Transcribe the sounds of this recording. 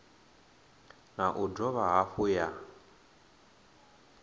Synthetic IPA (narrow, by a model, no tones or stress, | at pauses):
naʔudɔβaɦaɸuja